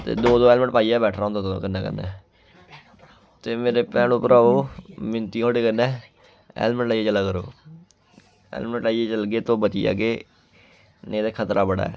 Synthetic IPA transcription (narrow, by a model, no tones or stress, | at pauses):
t̪ḛːd̪oːd̪oːɛːlmə̃ɳʈpaːiːɛːbɛːʈʰɾãːõːnd̪aːt̪ːo̰ːkənːɛːkə̰nɛ̰̃ː | t̪eːmeːɾeːpɛːnopəɾaːoːmɪnt̪iːoːɽeːkənːɛː | ɛ̰ːlmə̃ɳʈaːieːt͡ʃəlaːkəɾo̰ː | ɛ̰ːlməɳʈlaːieːt͡ʃəlɡeːt̪õːbət͡ʃ̪iːja̰ːɡeː | nẽːd̪eːkʰət̪ɾaːbəɽa̰ːɛː